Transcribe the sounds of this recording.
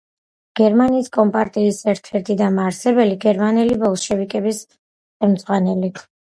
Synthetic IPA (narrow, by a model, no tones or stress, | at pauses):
ɡ̥ɛɾmaniːskʼɔmpʼaɾt̪ʼiːsɛɾt̪ʰɛɾt̪ʰʼid̪amaɾsɛbɛliɡɛɾmanɛlibɔlˠʃɛvikʼɛbis | χɛmd̪z̥ʁwanɛli